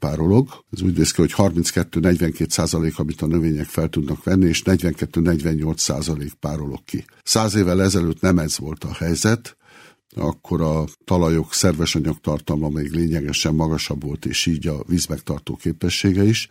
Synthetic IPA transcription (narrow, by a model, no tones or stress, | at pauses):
paːɾo̞lo̞ɡɛzuːɟneːskiho̞chɒrminskɛt̪ːøːnɛɟvɛŋkeːt̪saːzɒleːkɒmit̪ɒnøveːɲɛkfɛlt̪ud̪nɒkʋɛnːieːʃnɛɟvɛŋkɛt̪ːøːnɛɟʋɛɲːo̞lt̪sːa̰ːzɒleːk̚paːɾo̞lo̞̰kːi | saːzeːvːɛlɛzɛløːt̪nɛmɛzʋo̞lt̪ɒhɛjzɛt̪ | ɒ̰kːo̞ɾɒt̪ɒlɒjo̞ksɛrvɛʃɒɲɒkt̪ɒrt̪ɒlmɒmeːɡleːɲɛɡɛʃɛmːɒɡɒʃɒbvo̞lt̪ḛːʃiːɟɒviːzmɛkt̪ɒrt̪o̰ːkeːpɛʃːeːɡɛiʃ